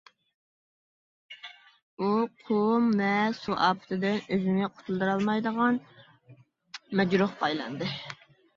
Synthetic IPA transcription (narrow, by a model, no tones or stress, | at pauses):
uqʰomvɛsuʔɑ̰ːpʰɨ̥t̪ʰɨd̪ɨnøzɪnɛqʰo̥ʊ̥t̪ʰulˠd̪ɨɾɑlˠmɑjd̪əʁɑn | mɛd͡ʒɾuχpʰɑjlˠɑ̰nd̪ɨ